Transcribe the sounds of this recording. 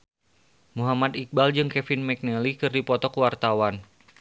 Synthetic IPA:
muɦamad̪ik̚bald͡ʒɨŋkɛfinmɛk̚nəlikɨrdipɔt̪ɔkuwart̪awan

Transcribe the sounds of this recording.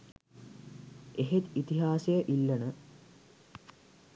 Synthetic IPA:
eɦet̪it̪iɦaːsejəʔilːɐnə

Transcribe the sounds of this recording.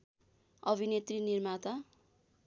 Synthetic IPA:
ʌbʱinet̪rinirmat̪a

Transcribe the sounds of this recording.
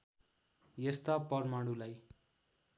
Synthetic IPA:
jest̪apʌrmaɽulaj

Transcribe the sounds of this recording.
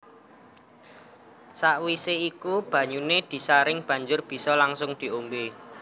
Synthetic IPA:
saʔwiseikub̥ä̤ɲuned̪̥i̤saɾɪŋb̥ä̤ɲd͡ʒʊrb̥i̤sɔlaŋsʊŋd̪̥i̤ombe

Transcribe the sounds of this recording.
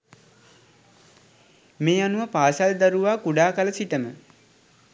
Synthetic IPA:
meːanuʋəpaːsald̪aɾuʋaːkuɖaːkaləsit̪əmə

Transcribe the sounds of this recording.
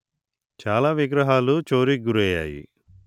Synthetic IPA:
t͡ʃaːlaːʋiɡɾɐɦaːlut͡ʃoːɾiɡuɾɛja̰ːjḭ

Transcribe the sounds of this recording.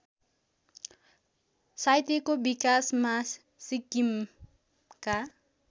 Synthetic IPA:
sajt̪ekobikasma | sikim | ka

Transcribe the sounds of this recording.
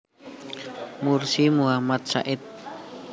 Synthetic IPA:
mursimuamat̪̚sa̰ʔɪt̪̚

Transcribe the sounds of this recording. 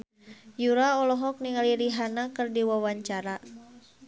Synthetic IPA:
juɾaɔlɔɦɔk̚niŋaliɾiɦanakɨrdiwawaɲt͡ʃaɾa

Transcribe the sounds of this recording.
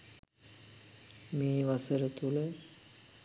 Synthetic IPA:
meːʋasəɾət̪ulə

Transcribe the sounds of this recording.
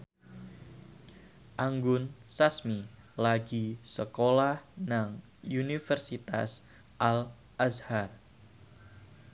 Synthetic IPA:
ʔaŋɡʊnsasmi | laɡisəkolahnaŋ | unifərsit̪a̰s | ʔal | ʔashar

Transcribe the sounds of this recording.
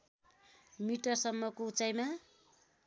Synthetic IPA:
miʈʌrsʌmːʌkout͡sajma

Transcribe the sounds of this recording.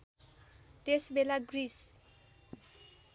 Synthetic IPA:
t̪esbelaɡris

